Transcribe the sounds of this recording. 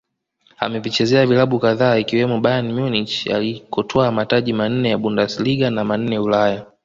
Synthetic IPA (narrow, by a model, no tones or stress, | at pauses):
amɛvit͡ʃɛzɛavilaɓukaðaːikiwɛmɔɓajanmjunit͡ʃa̰likɔtʰɔamataʄiman̩nɛjaɓundasiliɠanaman̩nɛulaja